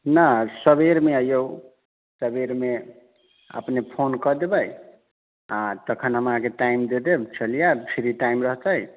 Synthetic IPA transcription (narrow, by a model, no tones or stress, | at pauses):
nasəbeɾmeəjo | səbeɾme | ə̰pnepʰonkəd̪ebəj | at̪əkʰənɦəmãkeʈaimd̪ed̪ebt͡ʃəlijapʰiɾiʈaimɾəɦt͡ʃəj